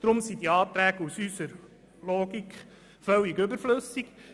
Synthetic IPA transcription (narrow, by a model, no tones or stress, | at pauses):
d̪̥ɾʊmsid̪iɑːt̪ɾæːɡusysəɾ | lɔːɡikχ | fœwiɡʏbəɾflɵsik